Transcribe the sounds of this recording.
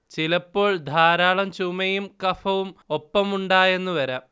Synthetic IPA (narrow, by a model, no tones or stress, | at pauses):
t͡ɕilɐpːo̞ːɭd̪ʱaːɾaːɭɐmt͡ɕumɐjumkɐfɐʋumopːɐmuɳɖaːje̞nːuʋɐɾɐ